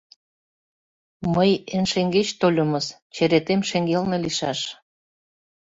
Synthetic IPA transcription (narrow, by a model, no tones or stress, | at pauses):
məjenʃeŋɡet͡ɕt̪olʲəmɤst͡ɕeɾet̪emʃeŋɡelneliʃɑʃ